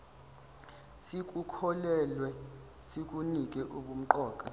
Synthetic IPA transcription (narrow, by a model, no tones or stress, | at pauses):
sik̬ʼukʰɔlɛlwɛ | sik̬ʼunik̬ʼɛʔuɓum̩ǃɔːkʼa